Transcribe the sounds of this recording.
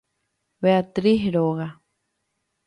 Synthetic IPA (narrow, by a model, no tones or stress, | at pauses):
βeat̪ɾiɦɾoɣa